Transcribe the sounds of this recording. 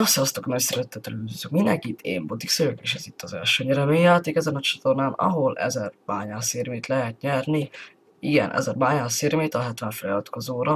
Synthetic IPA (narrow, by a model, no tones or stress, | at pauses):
osɛɒst̪okmɛsɛɾøt̪ːɛt̪ɛlød̪yzykminɛŋkit̪ʰːḛːmbot̪iksøjøkeːʃɛzit̪ʰːɒzɛ̰lʃøːɲɛɾɛmejɛt̪ikɛzɛnɒt͡ʃɒt̪o̞rnaːnɒ̰ɦo̞lɛ̰zɛrb̥aːɲaːseːrmeːt̪lɛɦɛt̪ɲɛrni | iɡɛ̰nʔɛ̰zɛrbaːɲaːseːɾmeːt̪ɒɦɛt̪vɛɱfɛlɒt̪o̥kɔzoːɾɒ